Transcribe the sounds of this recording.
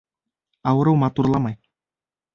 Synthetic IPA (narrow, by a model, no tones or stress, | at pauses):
ɑwɤ̆ɾɤwmɑt̪urlˠɑmɑj